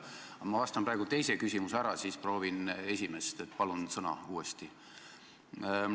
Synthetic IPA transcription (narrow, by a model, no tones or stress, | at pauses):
ɑmɑvɑst̪ɑmprɑeɡut̪e̞jse̞kysʲimusæɾɑsiːspro̞ːvine̞sʲimest̪e̞t̪ːˑpɑlunsɤnɑ̰uːest̪i